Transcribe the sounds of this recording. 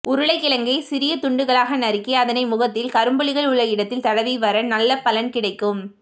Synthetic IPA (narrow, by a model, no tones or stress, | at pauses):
ʊɾɯɭɐɪkːɪlɐŋɡɐɪsɪɾɪjɐt̪ʊɳɖɯɣɐɭaːɣɐnɐɾɪkːiɐðɐnɐɪmʊɣɐt̪ːɪlkɐɾɯmbɐɭɪɣɐɭʊɭːɐjɪɽɐt̪ːɪlt̪ɐlɐʋiʋɐɾɐnɐlːɐpɐlɐnkɪɽɐɪkːɯm